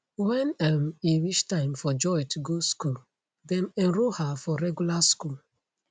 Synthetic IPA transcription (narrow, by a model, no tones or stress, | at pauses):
wɛ̃namiwit͡ʃtãɪ̃mfɔd͡ʒɔjtuɡoskul | dɛ̃nɛ̃nɾohafɔɾɛɡulaskul